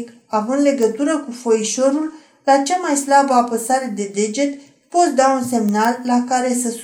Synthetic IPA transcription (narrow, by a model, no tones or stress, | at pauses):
k | avɨnd̪le̞ɡət̪uɾəkufo̞iʃo̞ɾul | lat͡ʃamajslabəapəsaɾe̞d̪e̞d̪e̞d͡ʒe̞t̪ | po̞t̪d̪aunse̞mnalːakaɾe̞səs